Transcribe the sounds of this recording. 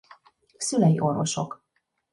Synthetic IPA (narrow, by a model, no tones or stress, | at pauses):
sylɛjḭʔo̞rvo̞̰ʃo̞k